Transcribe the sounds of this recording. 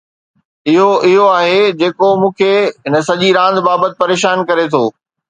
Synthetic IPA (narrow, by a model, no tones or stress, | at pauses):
ɪɦoʔɪɦoaːɦed͡ʑeːkomũːkʰeɦɪnəsɐʄiɾãːnd̪baːbət̪ɪ̥̆pɐɾeːʃaːnkɐɾet̪ʰoː